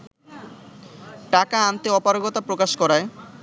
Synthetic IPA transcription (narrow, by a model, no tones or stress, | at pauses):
ʈakaant̪eɔpaɾoɡot̪apɾokaʃkɔɾae